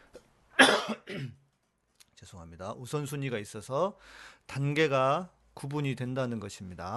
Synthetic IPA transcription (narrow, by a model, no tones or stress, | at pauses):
t͡ɕesʰoŋɦamɲidaʔusʰʌnsʰuɲiɡais͈ʌsʰʌtanɡe̞ɡa | kubuɲidwe̞ndanɯnɡʌɕʰimɲida